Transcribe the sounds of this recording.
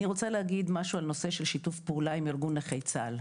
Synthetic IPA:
niʁo̞t͡salehaɡid̪maʃualno̞se̞ʃe̞lʃitufpeulaimiʁɡuneχejt͡sal

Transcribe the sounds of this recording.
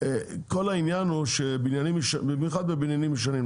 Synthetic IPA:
kolainjanuʃebinjanimʃbimjuχad̪bebinjanimʃ̬anim

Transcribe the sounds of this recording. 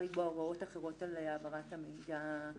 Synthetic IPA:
iboaʁao̞taχeʁo̞taleabaʁatamiida

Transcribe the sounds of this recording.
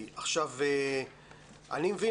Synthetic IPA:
ʔaχʃave | ʔa̰nimevi

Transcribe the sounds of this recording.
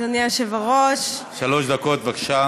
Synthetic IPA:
zaniaʃevaʁoʃ | ʃaloʃd̪akot̪bakʃa

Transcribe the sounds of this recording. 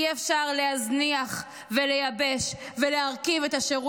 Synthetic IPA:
iefʃaʁle̞hazniaχ | velejabe̞ʃ | velehaʁkivet̪aʃeʁu

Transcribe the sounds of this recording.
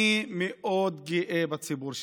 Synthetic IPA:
imioːd̪ɡiʔeːbɐt͡sʰibuɾʃ

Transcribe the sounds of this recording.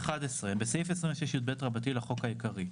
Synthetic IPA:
χadesʁembesejfesʁĩmvʃjeʃjut̪̚betʁabatileχo̞kaikaʁi

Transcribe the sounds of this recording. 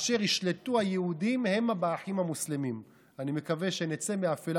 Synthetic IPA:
ʃe̞ʁiʃle̞tuhajeudimhe̞mabaːħimhamuslemim | anime̞kave̞ʃenet͡semeafel

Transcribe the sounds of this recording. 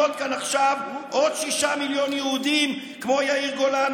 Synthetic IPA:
ot̪̚kanaχʃavʔod̪̥ʃiʃamiljo̞njeud̪im | kmo̞jaiʁɡo̞lan

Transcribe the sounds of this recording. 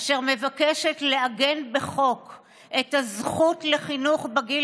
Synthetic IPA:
ʃeʁme̞vakeʃetleaɡenbeχo̞k | ʔetazχutle̞χinuχbeɡil

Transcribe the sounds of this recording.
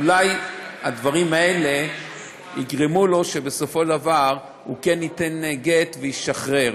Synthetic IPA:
ulajad̪vaʁimae̞le̞ | iɡʁemulo̞ʃe̞beso̞foʃavaʁ | hṵke̞nit̪e̞nɡet̪vejiʃaχʁe̞ʁ

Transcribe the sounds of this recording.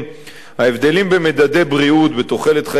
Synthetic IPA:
haevd̪e̞limbemed̪ad̪e̞jbʁiut̪bet̪oχe̞let̪χa

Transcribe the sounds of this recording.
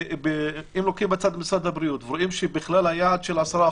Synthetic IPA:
bʔimlokimbat͡sad̪mɪsad̪abɾijut̪vɾoʔimʃebɪxlalhajaʕad̪ʃelʕasɑɾa

